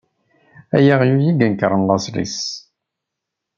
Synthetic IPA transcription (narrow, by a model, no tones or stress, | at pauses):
æjæʁjujiɡænkəɾˤənlɑsɾḭs